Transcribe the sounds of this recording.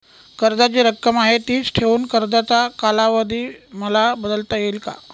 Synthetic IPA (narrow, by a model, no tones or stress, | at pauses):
kəɾd̪ad͡ʑiɾəkːəmaɦet̪iːt͡sʈʰeʋuːnkəɾd̪at͡sakalaʋəd̪ʱiːməlabəd̪əlt̪əjelka̰